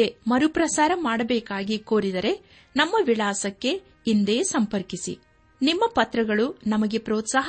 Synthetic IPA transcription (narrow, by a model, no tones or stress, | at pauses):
emɐɾupɾɐsaːɾɐmaːɽɐbɛːkaːɡikoːɾid̪ɐɾe̞ | nɐmːɐʋiɭaːsɐkːe̞ | ind̪e̞ːsɐmpɐɾkisḭ | nimːɐpɐt̪ɾɐɡɐɭunɐmɐɡe̞pɾoːt̪saːɦ